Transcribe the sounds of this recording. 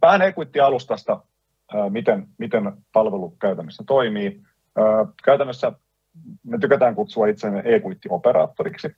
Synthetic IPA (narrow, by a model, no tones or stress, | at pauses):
pæhæneːkuit̪ːiɑlust̪ɑst̪ɑ | əːmit̪enmit̪enpɑlʋelukæyt̪ænːøst̪æt̪oimiː | əːkæyt̪ænːøsːæ | net̪ykæt̪æːŋkut̪suɑit̪senʔeːkuit̪ːiopeɾɑ̰ːt̪ːoɾiksi